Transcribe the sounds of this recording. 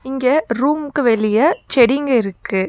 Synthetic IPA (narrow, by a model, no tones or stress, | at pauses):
ɪŋɡɐɾuːmkɯʋɛɭɪjɐt͡ʃɛɽɪŋɡɐɪɾɯkːɯ